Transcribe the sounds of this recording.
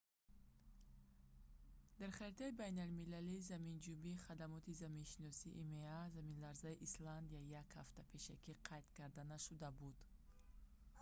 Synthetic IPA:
d̪̥aɾχaɾit̪ʰaibajnalmilaliːzamind͡ʒumbiːχad̪amɔt̪ʰizaminʃinɔsiʔːmeazaminlaɾzaiʔisland̪iaijakhaft̪apʰe̞ʃakiqʰajt̪kaɾd̪anaʃud̪abud̪̥

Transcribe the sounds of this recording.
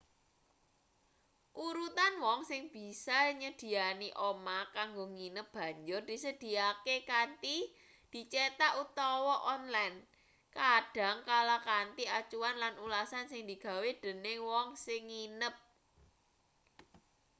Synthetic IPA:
ʔuɾut̪anwɔŋsɪŋb̥i̤saɲəd̪̥i̤aniʔomakaŋɡoŋinəp̚b̥a̤ɲd͡ʒʊrd̪̥i̤səd̪̥i̤akekant̪i | d̪̥i̤t͡ʃet̪aʔut̪ɔwɔʔɔnlajn | kaɖ̥a̤ŋkalakant̪iat͡ʃuwanlanulasansɪŋd̪̥i̤ɡ̥ä̤wed̪̥ə̤newɔŋsɪŋːinəp̚

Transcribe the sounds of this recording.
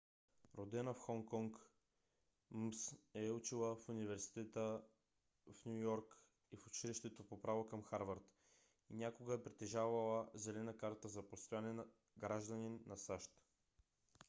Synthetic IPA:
ɾod̪ɛnəfxɔŋkɔŋk | msɛut͡ʃilˠəfunivɛɾsi̥t̪ɛt̪ə | fnʲujɔɾk | ifʊt͡ʃiliʃt̪ɛt̪opopɾavokɐmxaɾvəɾt̪ | inʲakoɡəɛpɾit̪ɛʒavəlˠəzɛlɛnəkaɾt̪əzɐpost̪ojanɛn | ɡɾaʒd̪əninːɐsaʃt̪

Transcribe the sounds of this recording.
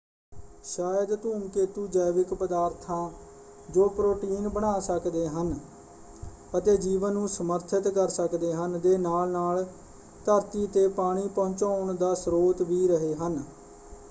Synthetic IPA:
ʃaːjəd̪t̪uːmkeːt̪uːd͡ʒəːʋɪkpəd̪aːɾt̪ʰãː | d͡ʒoːpɾoːʈiːnbəɽ̃aːsəkd̪eːɦən | ət̪eːd͡ʒiːʋənːũːsəməɾt̪ʰɪt̪kəɾsəkd̪eːɦənd̪eːnaːlnaːl | t̪əɾt̪iːt̪eːpaːɽ̃iːpɔ̃ːt͡ʃaːʊɳd̪aːsɾoːt̪ʋiːɾəɦeːɦən

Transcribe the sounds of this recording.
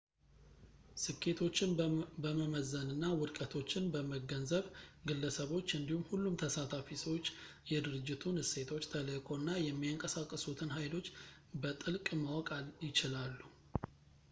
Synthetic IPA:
sɨkʰːe̞t̪ʰo̞t͡ʃːɪnbəməməzənɨnːawɨɾkʼət̪ʰo̞t͡ʃːɪnbəməɡənzəβɡɨlːəsəβo̞t͡ʃːɨnd̪ihumhulːumt̪ʰəsat̪ʰafisəwot͡ʃː | jɛd̪ɨɾɨd͡ʒːɪt̪ʰunhɨse̞t̪ʰo̞t͡ʃːt̪ʰələkʰʼo̞nːajɛmːiaŋkʼəsakʼːəsut̪ʰɨnɦajlo̞t͡ʃː | bət̪ʼɨlkʼmawɔkʼajɪt͡ʃɪlalːu

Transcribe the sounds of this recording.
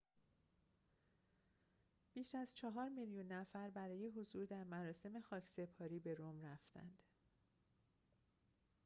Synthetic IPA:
b̥iːʃæzt͡ʃʰɒɦɒːɾmiljunːæfæɾbæɾɒːje̞ɦozuːɾd̪æɾmæɾɒːse̞me̞xɒːcʰse̞pʰɒːɾiːbe̞ɾomræft̪æ̰nd̪̥

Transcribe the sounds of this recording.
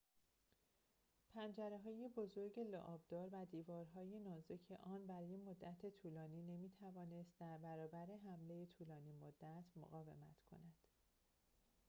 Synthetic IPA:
pʰænd͡ʒæɾeɦɒːje̞bo̞zo̞ɾɟe̞lo̰ʔɒːbd̪̥ɒːɾvæd̪iːvɒːɾɦɒːjenɒːzecʰeʔɒːnbæɾɒːje̞mo̞d̪ːæt̪ʰe̞t̪ʰuːlɒːniːne̞miːt̪ʰævɒːne̞st̪̚d̪æɾbæɾɒːbæɾe̞ɦæmle̞jet̪ʰuːlɒːniːmod̪ːæt̪ʰmo̰ɣɒːve̞̰mæt̪ʰkʰo̞̰næd̪̥

